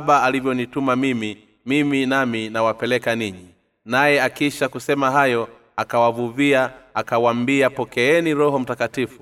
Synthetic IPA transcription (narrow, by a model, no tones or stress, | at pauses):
ɓaːlivjɔnitumamimi | miminaminawapɛlɛkaniɲi | najɛakiʃakusɛmaɦajɔ | akawavuviaːkawambiapɔkɛɛniɾɔɦɔm̩takatifu